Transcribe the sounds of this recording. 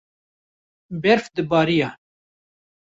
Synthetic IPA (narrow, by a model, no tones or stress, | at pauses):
bɛɾfd̪ɨbɑːɾijɑ